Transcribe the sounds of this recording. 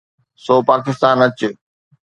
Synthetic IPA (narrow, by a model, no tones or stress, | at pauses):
soːpaːkɪst̪aːnɐt͡ɕʊ